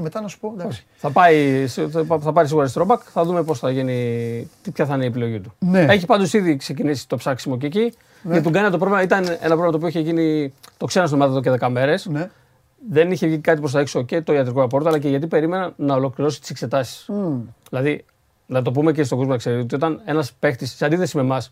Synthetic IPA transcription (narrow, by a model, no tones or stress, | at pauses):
met̪ɐnɐsu̥pod̪oçi̥θɐpɐisθɐpɐɾis̬iɣuɾɐst̪ɾo̞bɐkθɐðume̞po̞sθɐʝinit̪ipçɐθɐineiepilo̞ʝit̪u̥neeçipɐnd̪o̞siðikse̞cinisi̥t̪o̞psɐksimo̞ceːci | ʝɐt̪iɡɐniɐt̪o̞pɾo̞vlimɐit̪ɐne̞̰nɐp̬ɾovemɐt̪opioiçeʝinit̪o̞ksenɐst̪mɐðot̪oceðe̞kɐme̞ɾe̞s | ðe̞niçe̞vʝinikɐt̪ipo̞s̬θɐekso̞ce̞t̪o̞iɐt̪ɾiko̞ɾɐpo̞ɾt̪oɐlɐc̬e̞ʝɐt̪ipe̞ɾime̞nɐnɐo̞lo̞kliɾo̞si̥t̪i̥sekse̞t̪ɐsi̥sðilɐði | nɐt̪̬o̞p̬ume̞c̬estoɡomoɐkseit̪ot̪io̞t̪ɐne̞nɐspe̞xt̪issɐnd̪iθe̞sime̞mɐs